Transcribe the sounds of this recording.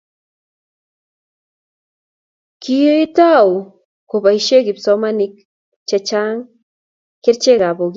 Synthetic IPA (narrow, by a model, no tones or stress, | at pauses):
kʰit̪aw | koβajʃeɡipsawmanik | t͡ʃet͡ʃaŋ | keɾt͡ʃeɣaboɡ